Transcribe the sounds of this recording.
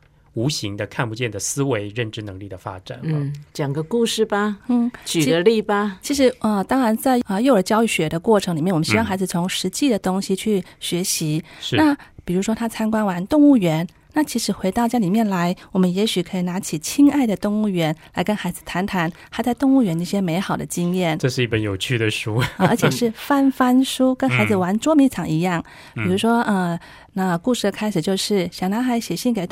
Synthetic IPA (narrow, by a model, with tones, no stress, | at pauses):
u˧˥ɕi˧˥ŋd̪ə˧kʰa˥˩npu˧t͡ɕjɛ˥˩nd̪ə˩sɹ̩˥we˧˥ɪɻə˥˩nʈ͡ʂɻ̩˥˧nɤ˧˥ŋli˥˩d̪ə˩fa̰˥ʈ͡ʂa̰˨˩nn̩˥˧t͡ɕja˨˩ŋɡə˦ku˥˧ʂɻ̩˥˩bɐ˨n̩˥˩t͡ɕʰy˨˩ə˧˦li˥˩bɐ˧t͡ɕʰi˧˥ʂ̬ɻ̩˧˥ə˧t̪ɑ˥ŋɻa˧˥nt͡sa˥˧ɪə˧jo˥˩ʊə˞˧˥t͡ɕjɑ˥ʊy˥˩ɕɥɛ˨˩d̪ə˦kwɔ˥˩ʈ͡ʂʰɤ˧˥ŋli˨˩mjɛ˥˩nwɔ˨˩˧ɕi˥˩ŋxa˧˥ɪd͡zɹ̩˧t͡sʰʊ˧˥ŋʂɻ̩˧˥t͡ɕi˥˩d̪ə˩t̪ʊ˥ŋɕi˨˧t͡ɕʰy˥˩ɕɥɛ˧˥ɕi˧˥ʂ̩˧na˥˩pi˨˩ɻu˧˥ʂwɔ˥t̪ʰa˥t͡sʰa˥nkwa˥nwa˧˥nt̪ʊ˥˧ŋu˥˩ɥɛ˧˥n | na˥˩t͡ɕʰi˧˥ʂɻ̩˧˥xwe˧˥ɪt̪ɑ˥˧ʊt͡ɕja˥li˨˩mjɛ˥˩nla˧˥ɪwɔ˨˩mə˦njɛ˧˥ɕy˨˩kʰɤ˧˥i˨˩na˧˥t͡ɕʰi˨˩t͡ɕʰi˥ŋa˥˩ɪd̪ə˩t̪ʊ˥˧ŋu˥˩ɥɛ˧˥nla˧˥ɪkə˥nxa˧˥ɪd͡zɹ̩˨˩t̪ʰa˧˥nt̪ʰa˧˥nxa˧˥ɪt͡sa˥˧ɪt̪ʊ˥˧ŋu˥˩ɥɛ˧˥nə˧i˥˧ɕjɛ˥me˧˥ɪxɑ˨˩ʊd̪ə˦t͡ɕi˥ŋjɛ˥˩nʈ͡ʂɤ˥˧ʂɻ̩˥˧i˥˩pə˧˦njo˨˩ʊt͡ɕʰy˥˩d̪ə˩ʂu˥ə˧ə̰˞˧˥t͡ɕʰjɛ˨˩ʂɻ̩˥˩fa˥nfa˥nʂu˥kə˥nxa˧˥ɪd͡zɹ̩˨wa˧˥nʈ͡ʂwɔ˥mi˧˥t͡sʰɑ˨˩ŋi˧˥jɑ˥˩ŋ | pi˨˩ɻu˧˥ʂwɔ˥ə˥˧ | na˥˧ku˥˧ʂɻ̩˥˩d̪ə˩kʰa˥ɪʂɻ̩˨˩t͡ɕjo˥˧ʊʂɻ̩˥˩ɕjɑ˨˩ŋna˧˥xa˧˥ɪɕɛ˨˩ɕi˥˩nke˨˩ɪ